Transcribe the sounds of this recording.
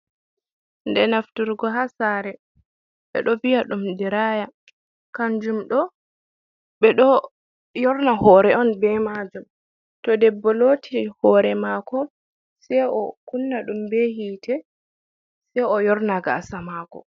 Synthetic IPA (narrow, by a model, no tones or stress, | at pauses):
ndɛnaftuɾɡɔɦasaɾɛ | ɓɛ̰ɗɔvijaɗumdiɾaːja | kand͡ʒumɗɔ | ɓɛɗɔ | jɔɾnahɔːɾɛɔnbɛmad͡ʒum | tɔdɛbːɔloːtihɔɾɛmaːkɔ | sɛjɔkunːaɗumbɛhiːtʰɛ | sɛjɔjɔɾnaɡaːsamakɔ̰